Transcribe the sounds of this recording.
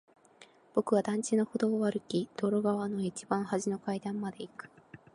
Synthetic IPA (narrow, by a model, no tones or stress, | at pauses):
b̥o̞kɯ̟βad̪ãɲ̟t͡ɕino̞ho̞d̪oːβaɾɯ̟kʲid̪̥o̞ːɾo̞ɡaβano̞it͡ɕibãɰ̃haʑino̞kaid̪ãmːad̪e̞ikɯ̟̥